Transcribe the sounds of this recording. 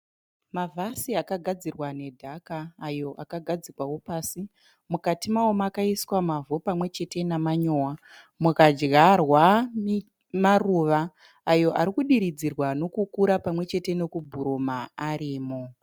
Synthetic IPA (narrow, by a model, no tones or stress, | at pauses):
mavʱasiakaɡʱad͡zirwane̞dʱakaːjo̞ʔakaɡʱad͡zikwawo̞paːsi | mukatimaomaːkaiswamavopamwe̞t͡ʃe̞te̞namaɲo̞wa | mukad͡ʒɡarwa | maruːʋaː | jo̞ʔaɾikuɗiɾid͡zirwano̞kukuɾapamwe̞t͡ʃe̞te̞no̞kubʱuɾomaaɾiːmo